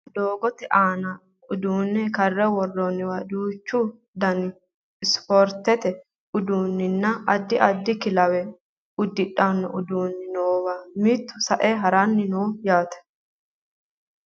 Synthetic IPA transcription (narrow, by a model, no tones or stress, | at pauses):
d̪oːɡɔt̪ɛʔaːnɐ | ʊd̪uːnːɛkɐrːɛwɔrːɔnːɪwɐːd̪uːt͡ʃːʊ | d̪ɐnɪ | ɪspɔɾt̪ɛt̪ɛ | ʊd̪uːnːɪnːɐɐd̪ːɪʔɐd̪ːɪkɪlɐwɛ | ʊd̪ːɪᶑanːɔ̰ʔʊd̪uːnːɪnoːwamit̪ːʊsɐʔɛɦɐɾanːɪnoːjaːt̪ɛ̥